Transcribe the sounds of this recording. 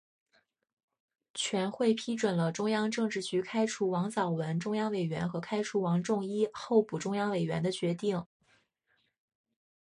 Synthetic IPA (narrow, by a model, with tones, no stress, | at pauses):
t͡ɕʰɥɛ˧˥nxwe˥˩ɪpʰi˥ʈ͡ʂwə˨˩nlə˦ʈ͡ʂʊ˥ŋjɑ˥ŋʈ͡ʂɤ˥˧ŋʈ͡ʂɻ̩˥˩t͡ɕy˧˥kʰa˥ɪʈ͡ʂʰu˧˥wɑ˧˥ŋsɑ˨˩ʊwə˧˥nʈ͡ʂʊ˥ŋjɑ˥ŋwe˨˩ɪɥɛ̰˧˥nxɤ˧˥kʰa˥ɪʈ͡ʂʰu˧˥wɑ˧˥ŋʈ͡ʂʊ˥˧ŋi˥xo˥˩˧ʊpu˨˩ʈ͡ʂʊ˥ŋjɑ˥ŋwe˨˩ɪɥɛ˧˥nd̪ə˧t͡ɕɥɛ˧˥t̪i˥˩ŋ